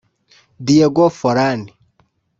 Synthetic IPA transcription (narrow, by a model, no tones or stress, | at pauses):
dijɛɡɔfɔɾani